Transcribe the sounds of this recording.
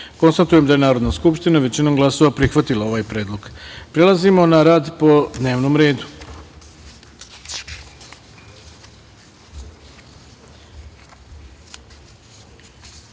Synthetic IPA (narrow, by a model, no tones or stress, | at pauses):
ko̞nst̪at̪uje̞md̪aje̞naːɾod̪naskupʃt̪inaʋe̞t͡ɕinomɡlˠaso̞ʋapɾixʋat̪ilao̞ʋaːjpɾe̞ːd̪lˠoɡpɾe̞lˠazimo̞naɾaːd̪po̞d̪ne̞ːʋnomɾe̞ːd̪u